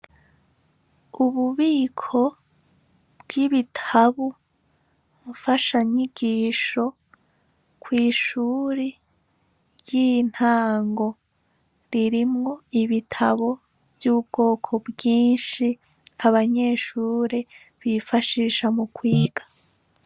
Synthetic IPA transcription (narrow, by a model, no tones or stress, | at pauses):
uβuβiːkʰo̞ | bɡiβitʰaβu | βufaʃaɲiɡiːʃo̞ | kwiːʃuːɾe | jin̥haːŋɡo̞ | ɾiɾimŋo̞iβitʰaβo | vjuːb̚ɡo̞ːkʰo̞bjiːnʃi | aβaɲe̞ːʃuːɾe | βifaʃiːʃamukwiiːɡ̥ḁ